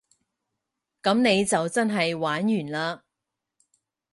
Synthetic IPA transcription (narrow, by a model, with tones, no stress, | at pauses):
kɐ˨˥mne˨˧jt͡sɐ˨wt͡sɐ˥nɦɐ˨jwaː˨˥njyː˨˩nlaː˧